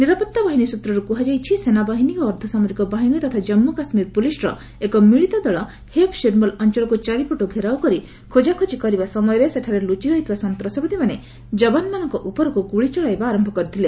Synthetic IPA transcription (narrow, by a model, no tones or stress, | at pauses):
niɾapɔt̪ːabaɦinisut̪ɾɔɾukuɦad͡ʒajt͡ʃʰisenabaɦinioːɾd̪ʰʱɔsamɔɾikɔbaɦinit̪ɔt̪ʰad͡ʒɔmːukasmiɾpulisɾɔ̰ | ekɔmiɭit̪ɔd̪ɔɭɔ | hepʃiɾmɔlɔnt͡ʃɔɭɔkut͡ʃaɾipoʈoɡʱeɾawkɔɾi | kʰod͡ʒakʰot͡ʃikɔɾibasɔmɔjɔɾeseʈʰaɾelut͡ʃiɾɔɦit̪ʰibasɔnt̪ɾɔsɔbɔd̪imane | d͡ʒɔbanmanɔŋkɔʔupɔɾɔkukuɭit͡ʃɔɭajbaːɾɔmbʱɔkɔɾit̪ʰile